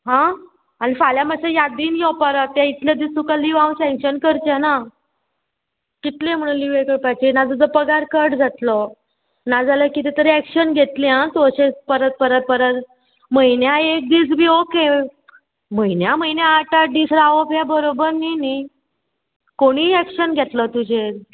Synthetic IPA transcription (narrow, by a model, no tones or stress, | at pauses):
ɦã | anifaljaməsejad̪iːnjɔpaɾat̪ːjait̪ljad̪isukaliʋawsɛ̃ŋkɕənkəɾt͡ɕana | kit̪lem̤əɽ̃ulːiʋekəɽpajt͡ɕenad͡zəd͡zəpəɡaɾkəɾʈd͡zat̪lɔ | nad͡zaləkit̪it̪əɾiækɕənɡʱet̪liãt̪oəɕepəɾət̪̚pəɾət̪̚pəɾət̪ | məjnjaek̚d̪iːt͡sbʱiːoke | məjnjaməjnjaːʈaɖisɾaʋəpjabəɾobəɾnini | koɽ̃iækɕənɡʱet̪lət̪ud͡ʑeɾ